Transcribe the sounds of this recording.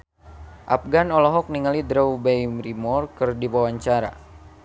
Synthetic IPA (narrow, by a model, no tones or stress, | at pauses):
ʔa̰p̚ɡanɔlɔɦɔk̚niŋalid̪ɾaubajmrimɔrkɨrdiwawaɲt͡ʃaɾa̰